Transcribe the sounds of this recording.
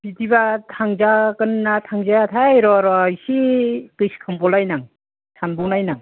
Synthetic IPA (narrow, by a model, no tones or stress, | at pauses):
bitibatʰaŋzakɯnːatʰaŋzaatʰajɾɔɾɔajsikɯskʰambɔlajnaŋ | sʰanbɔŋnajnaŋ